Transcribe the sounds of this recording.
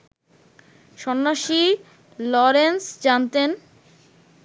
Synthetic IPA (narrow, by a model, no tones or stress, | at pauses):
ʃɔnːaʃi | lɔɾensd͡ʑant̪en